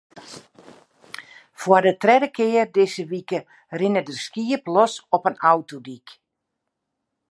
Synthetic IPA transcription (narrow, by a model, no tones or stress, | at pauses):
fwərdətrɛdəkʰɪːərdɪsəʋikə | rɪnədəskiəplɔsɔpənawtodik